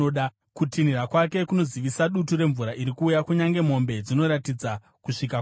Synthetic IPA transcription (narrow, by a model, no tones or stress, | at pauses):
oɗa | kutinirakwake̞kuno̞ziʋisaɗutuɾe̞ɱvuɾaʔiɾikuːjakuɲaŋɡe̞m̤o̞mbe̞d͡zino̞ɾatid͡za | kuʂika